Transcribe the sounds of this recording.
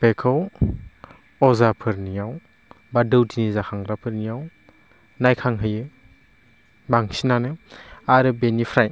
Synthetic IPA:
pekʰɯw | ɔzapʰɯɾnijaw | badɯwtʰinizakʰaŋɾapʰɯɾnijaw | najkʰaŋɦɯjɯ | baŋsinanɯaɾɯbenipʰɾaj

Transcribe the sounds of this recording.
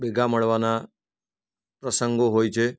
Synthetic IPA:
beɡʱaməɭʋana | pɾəsəŋɡoɦojt͡ʃʰe

